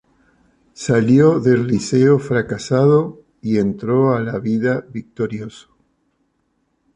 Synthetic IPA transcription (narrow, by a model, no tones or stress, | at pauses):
saljoðe̞lːiseofɾakasaðo | ie̞nt̪ɾo̞alaβiðaβik̚t̪o̞ɾjoso̥